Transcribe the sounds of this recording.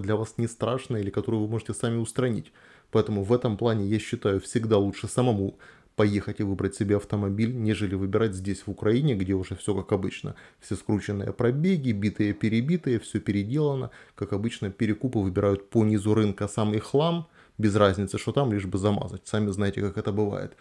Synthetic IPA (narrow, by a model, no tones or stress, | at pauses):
d̪lʲɐvasnʲɪst̪ɾaʂnəjilʲɪkɐt̪o̞ɾʊjʊvɨmo̞ʐɨtʲɪsamʲɪʊst̪ɾɐnʲḭtʲ | pɐɛt̪əmʊvɛt̪əmplˠanʲɪjaɕːɪt̪ajʊfsʲɪɡd̪alˠutʂɨsəmɐmu | pɐjexətʲɪvɨbɾətʲsʲɪbʲeɐft̪əmɐbʲilʲnʲe̞ʐɨlʲɪvɨbʲɪɾat̚ʲzʲdʲesʲvʊkɾɐinʲɪɡdʲeʊʐɛfsʲo̞kakɐbɨt͡ɕnə̰fsʲeskɾut͡ɕɪnːɨjə̰pɾɐbʲeɡʲɪbʲit̪ɨjəpʲɪɾʲɪbʲit̪ɨjəfsʲɵpʲɪɾʲɪdʲe̞lˠənə̰kakɐbɨt͡ɕnəpʲɪɾʲɪkupɨvɨbʲɪɾajʊt̪̚ponʲizʊɾɨnkəsamɪxlˠam | bʲɪzrazʲnʲɪt̪sɨʂt̪ot̪amlʲiʐbɨzɐma̰zətʲsamʲɪznajɪtʲɪkakɛt̪əbɨva̰jɪ̰t̪